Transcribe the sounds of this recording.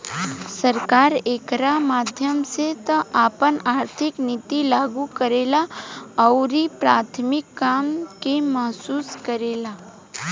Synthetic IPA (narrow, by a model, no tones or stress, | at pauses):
səɾkaːɾeːkɾamaːd̪ʱjəmset̪əaːpənaːɾt̪ʰɪknit̪ilaːɡukəɾeːlaɔʊɾipɾaːt̪ʰmɪkːaːmkemɐɦsuːskəɾeːlaː